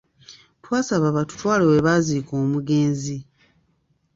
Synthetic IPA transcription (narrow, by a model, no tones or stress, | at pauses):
twaːsaβaβatu̥twaːleweβaːziːkoːmuɡe̞ːnzi